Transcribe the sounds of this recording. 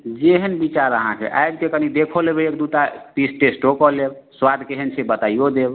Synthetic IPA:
d͡ʒeɦənbit͡ʃaɾəɦã̰kḛʔa̰jbkekənid̪ekʰolebeekd̪ut̪at̪isʈesʈokɔlebswad̪ʱkeɦənsʰebət̪aijod̪eb

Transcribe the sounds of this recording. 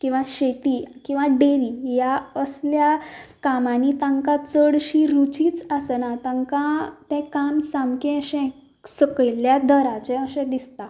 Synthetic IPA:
kĩw̃ʋaɕet̪iːkĩw̃ʋaɖeɾijaəsljakamanit̪ãŋkãt͡səɽɕiɾut͡ɕiːt͡sasənat̪ãŋkãt̪ɛ̃kamsãmkɛ̃əɕɛ̃ | səkəjljad̪əɾat͡ɕɛ̃əɕɛ̃d̪ist̪a

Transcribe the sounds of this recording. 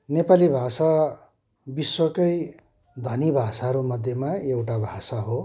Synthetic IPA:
nepalibʱasa | biswʌkʌj | d̪ʱʌnibʱasaɾumʌd̪ʱjemaewʈabʱasaɦo

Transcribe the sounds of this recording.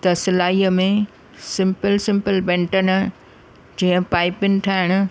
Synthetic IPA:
t̪ɐsɪlaːiːəmẽ | sɪ̃mpəlsɪ̃mpəlbɛ̃ːɳʈənʊ̆ | d͡ʑĩːə̃paːɪpɪnt̪ʰaːɦɪɽ̃ʊ̆

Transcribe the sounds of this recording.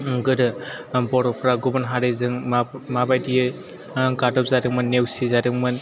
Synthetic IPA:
ɡɯɾɯbɔɾɔpʰɾaɡubanɦaɾɯjzɯŋmabajdijɯ | ɡadɔp̚zaɾɯkmɯnːewsizadɯŋmɯn

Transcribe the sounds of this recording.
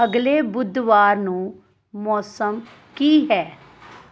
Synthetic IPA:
əɡleːbʊd̪ʋaːɾnũː | mɔːsəm | kiːɦɛː

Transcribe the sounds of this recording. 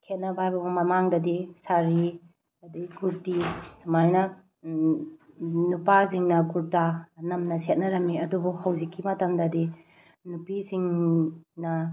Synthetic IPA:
kʰet̚nɐbajbɐbumɐmaŋdɐdisaɾi | ɐdiɡuɾtisumajnɐ | nupas̬iŋnɐɡuɾtanɐmnɐset̚nɐɾɐmːiɐdubukhɐwzikːimɐtɐmdɐdi | nupisiŋ | nɐ

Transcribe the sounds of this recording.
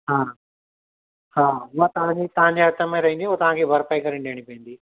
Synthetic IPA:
ɦaː | haːʊɦat̪ɐʋãɲd͡ʑit̪ɐʋ̤ãɲd͡ʑiɐɾt̪ɐmẽɾɐɦĩnd̪iɐt̪ɐʋ̤ãkʰeːbʱɐɾpaikɐɾiɳɖeːɽ̃ipɐĩnd̪iː

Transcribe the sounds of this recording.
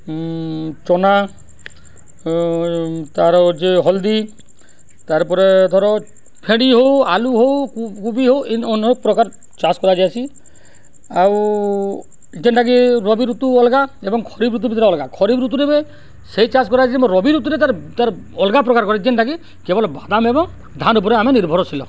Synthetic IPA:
t͡ʃɔna | t̪aɾɔd͡ʒeɦɔld̪i | t̪aɾpɔɾed̪ʱɔɾɔ | pʰeɽiɦowaluɦowkubiɦowenɔnɔɾ̚pɾɔkaɾ | t͡ʃaskɔɾad͡ʒaat͡ʃʰi | aw | d͡ʒenʈaɡiɾɔbiɾut̪uɔlɡaebɔŋkʰɔɾibɾut̪̬ubit̪ʰɾeɔlɡakʰɔɾibɾut̪uɾebe | seit͡ʃad͡ʒkɔɾad͡ʒiemɔɾɔbiɾut̪uɾet̪aɾt̪aɾ | ɔlɡap̬ɾɔkaɾkɔɾed͡ʒenʈaɡi | kebɔlbad̪amebɔŋ | d̪ʱanup̬ɔɾeameniɾbʱɔɾɔt͡ʃʰilɔ̰

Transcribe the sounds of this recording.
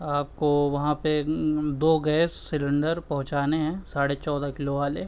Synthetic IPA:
aːp̚koʋɐɦãped̪oːɡɛːsːɪlɪ̃ɳɖəɾpɐɦʊ̃t͡ʃaːneɦɛ̃saːɽet͡ʃɔːd̪akɪloʋaːle

